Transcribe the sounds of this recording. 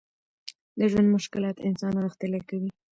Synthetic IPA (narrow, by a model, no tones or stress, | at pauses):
d̪əʒwand̪mʊʃkɪlɑt̪ɪnsɑnɣəxt̪ɪlakawi